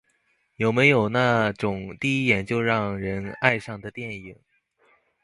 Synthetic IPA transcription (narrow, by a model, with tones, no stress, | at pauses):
jo˨˩ʊme˧˥ɪjo˨˩ʊna˥˩ʈ͡ʂʊ˨˩ŋt̪i˥˧i˥˩t̪jɛ˨˩nt͡ɕjo˥˧ʊɻɑ˥˩ŋɻə˧˥na˥˧ɪʂɑ˥˩ŋd̪ə˩t̪jɛ˥˩ni˨˩˦ŋ